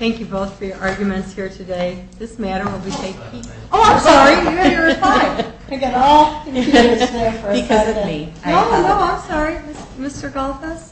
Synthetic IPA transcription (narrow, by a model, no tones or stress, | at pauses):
θæ̃ŋkjɨboʊθfə˞jə˞ʔɑɹɡjɨmɨ̃ntshiɹɾʰɨdeɪðɪsmæɾə˞wɪlˠbitʰeɪk̚pʰis | oʊãɪ̃msɑɹɹiwmejəpʰaɪ | ɪ̃ɡɨ̃nɔkɨ̃nɨɨefə˞ɨkʰʌzʌmioʊnoʊãɪ̃msɑɹimɪs | mɪstə˞ɡɑlˠfəs